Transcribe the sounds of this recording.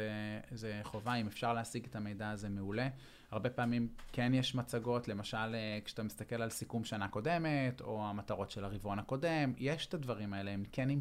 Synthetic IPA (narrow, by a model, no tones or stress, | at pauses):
ezeχo̞vaime̞fʃaʁleasiɡetame̞jdaːzemeule̞ | aʁbe̞paːmimkenjeʃmat͡saɡo̞tle̞maʃalekʃe̥at̪amist̪ake̞lalsikumʃanako̞de̞meto̞amataʁo̞tʃe̞laʁivonako̞de̞mjeʃe̥tadvaʁimaeleemkenim